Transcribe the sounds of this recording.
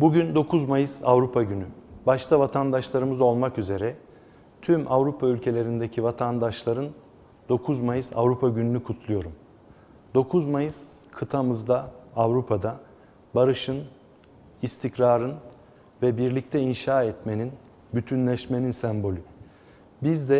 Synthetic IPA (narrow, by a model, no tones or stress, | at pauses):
buɟynd̪o̞kʰuzmajɯsavɾupʰaɟynybaʃt̪ʰavat̪ʰand̪aʃlˠaɾɯmɯzo̞lˠmakyze̞ɾɛ | t̪ʰymʔavɾupʰaylʲcʰe̞lʲe̞ɾind̪ecʰivat̪ʰand̪aʃlˠaɾɯn | d̪o̞kʰuzmajɯsa̰vɾupʰaɟynynykʰut̪ʰlˠujo̞ɾum | d̪o̞kʰuzmajɯskʰɯt̪ʰamɯzd̪aːvɾupʰad̪a | baɾɯʃɯn | ist̪ʰicɾaːɾɯn | vɛbiɾlʲic̚t̪ʰɛinʃaːɛt̪me̞nin | byt̪ʰynlʲɛʃme̞ninsɛmbo̞lʲy | bizd̪ɛ